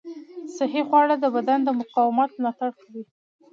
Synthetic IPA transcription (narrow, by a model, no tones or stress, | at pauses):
saɦexwɑɽəd̪əbad̪and̪əmʊqɑwɪmɑt̪̚mlɑt̪aɽkawi